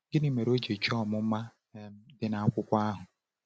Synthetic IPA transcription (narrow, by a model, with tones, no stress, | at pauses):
ɡɪ˦ni˨me˨ɾo˦d͡ʒe˨t͡ʃɔ˦˨mʊ˦ma˦ | m̩˦dɪ˦na˨a˦kʷʊ˦kʷa˦ɦʊ˨